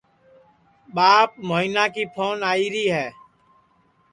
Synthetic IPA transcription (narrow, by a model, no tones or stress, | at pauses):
ɓaːp̚moːiːnaːkiːpʰoːnaːiːɾiːɦɛː